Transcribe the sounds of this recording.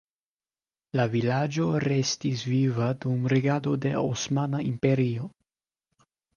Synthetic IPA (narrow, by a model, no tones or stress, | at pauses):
lavilad͡ʒo̞ɾe̞stisvivadumɾeɡado̞de̞osmanaimpe̞ɾio̞